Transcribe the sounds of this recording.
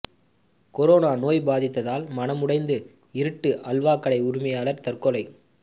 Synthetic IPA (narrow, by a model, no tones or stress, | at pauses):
kɔɾoːnaːnoːjbaːðɪt̪ːɐðaːlmɐnɐmʊɽɐɪnd̪ɯ | ɪɾɯʈːɯʔɐlʋaːkːɐɭɐɪʊɾʊmɐjaːlɐɾt̪ɐrkɔlɐɪ